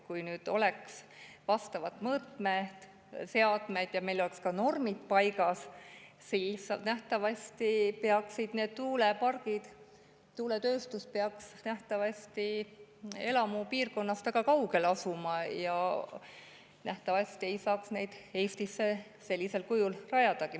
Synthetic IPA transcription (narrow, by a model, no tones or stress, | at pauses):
kujnyːd̪̥o̞̰le̞ks | vɑst̪ɑvɑt̪ˑmɤːt̪met̪ | se̞ɑd̪̥me̞jd̪̥jɑme̞jlo̞lekskɑno̞rmit̪pɑjɡɑs | siːsɑnæht̪ɑvɑsʲt̪ipeɑksid̪̥ne̞ːd̪̚t̪uːle̞pɑrɡ̥id̪̥ | t̪uːle̞t̪ø̞ːst̪uspeɑksnæht̪ɑvɑsʲt̪i | e̞lɑmupiːrko̞nːɑst̪væɡ̥ɑkɑwɡ̥e̞lɑsumɑjɑ | næht̪ɑvɑsʲt̪ie̞jsɑːksne̞jd̪̥e̞ːst̪isːe | se̞lːise̞lkujulrɑjɑd̪̥ɑki